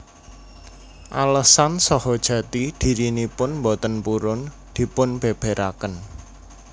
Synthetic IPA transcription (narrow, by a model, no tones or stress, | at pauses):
ʔaləsansɔhɔd̥ʒ̥ä̤t̪id̪̥i̤ɾinipʊnmbot̪ənpuɾʊn | d̪̥i̤pʊnb̥e̤b̥e̤ɾʔakən